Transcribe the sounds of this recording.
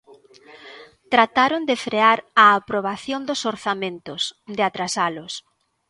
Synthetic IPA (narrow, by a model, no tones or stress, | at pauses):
t̪ɾat̪aɾʊnd̪ɪfɾeaɾaːpɾoβ̞aθjond̪ʊsoɾθamẽnt̪ʊsd̪ɪat̪ɾasalʊs